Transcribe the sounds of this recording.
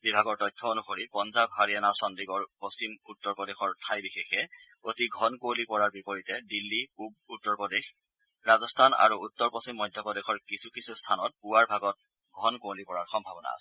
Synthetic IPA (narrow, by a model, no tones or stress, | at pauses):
bibʱaɡɔɹtɔjtʰːɔonuxoɹipɔnzabɦaɹijanasɔndiɡɔɹpost͡ʃimutːɔɹpɔdexɔɹtʰajbixexɛ | otiɡʱɔnkolipɔɹaɹbipoɹitɛdilːiub̚utːɔɹpɔdex | ɹazɔstʰana̰ɹuːtːɔɹpɔsimːɔjdʱjɔpɔdexɔɹkisukisustʰanɔt̚puwaɹbʱaɡɔt̚ | ɡʱɔnkolipɔɹaɹxɔmbʱabɔna̰a̰sɛ̥